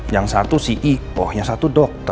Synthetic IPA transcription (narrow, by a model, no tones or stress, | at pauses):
jaŋsat̪usiʔiɔhjaŋsat̪udɔk̚t̪ə